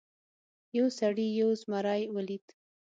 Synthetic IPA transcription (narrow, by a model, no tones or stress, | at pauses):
jawsaɽijawzmaɾɑjwəlit̪